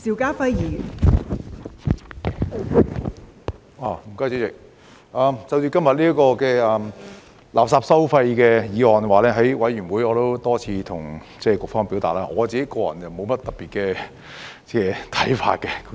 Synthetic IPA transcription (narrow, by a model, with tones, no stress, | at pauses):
siː˨˩wkaː˥fɐ˧jjiː˨˩jy̰ː˨˩n | aː˨˩m̩˨˩kɔː˥t͡ɕi˧˥t͡sɪ˨k̚ | ʔaː˨˧mt͡sɐ˧wt͡ʃyː˧kɐ˥mjɐ˨t̚liː˥ɐ˥kɔː˧kɛː˧ʔɐː˨˧m | laː˨p̚saː˧p̚sɐ˥wfɐ˧jkɛː˧jiː˨˧ɔː˨nwaː˨lɛː˥ɦɐ˨˥jwɐ˨˥jɥyː˨˩nwuː˨˥jɔː˨˧t̪o˥wt̪ɔː˥t͡sʰiː˧˥t̪ʰʊ˨˩ŋ | t͡sɛː˥˩kʊ˨k̚fɔː˥ŋpi˨˥wt̪a̰ː˨t̚laː˧˥ŋɔː˨˧t͡siː˨ke˨˦˥jkɔː˧jɐ̰˨˩njɐ˨wmo˨˧wmɐ˥t̚t̪ɐ˨˩piː˨t̚kɛː˧ | t͡sɛː˧˩t̪ʰɐ˨˥jfa̰ː˧t̚kɛ˧